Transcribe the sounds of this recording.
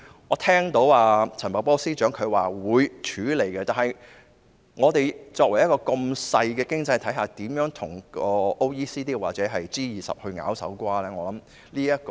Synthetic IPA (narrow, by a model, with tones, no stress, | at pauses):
ŋɔː˨˧t̪ʰɛː˥ŋt̪o˨˥waː˧t͡sʰɐ˨˩npɐ˨w̚pɔː˥siː˥t͡ʃœː˨˥ŋkʰɵ˨˧ɥwaː˨wuː˨˧jt͡ʃʰyː˨˥le˨˩jkɛ˧t̪aː˨nhɐ˨j | ŋɔː˨˧t̪e˨jt͡sɔː˧k̚wɐ˨˩jɐ˥kɔː˧ko˧msɐ˧jkɛː˧kɪ˥ŋt͡sɐ˧jt̪ʰɐ˨˥jɦaː˨t̪iː˨˥mjœː˨˥ŋt̪ʰʊ˨˩ŋkɔː˧ʔo˥wjiː˥siː˥t̪iː˥waː˨t͡sɛː˨˥ɦɐ˨jt͡siː˥jiː˨sɐ̰˨p̚hɵ˧ɥŋa̰ː˨˥wsɐ̰˨˥wkʷaː˥lɛː˥ŋɔː˨˧lɐ˨˥m | liː˥jɐ˥t̚k